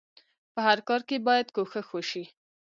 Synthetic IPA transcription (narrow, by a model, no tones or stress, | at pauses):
pəhaɾkɑɾkebɑjad̪koxəxoʃi